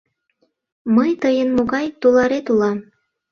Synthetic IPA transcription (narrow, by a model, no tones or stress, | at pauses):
məjt̪əjənmoɣɑjt̪ulɑɾet̪ulɑm